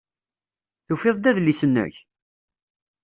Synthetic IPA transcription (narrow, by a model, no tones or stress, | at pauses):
θufeðˤd̪æðlisənːə̰ç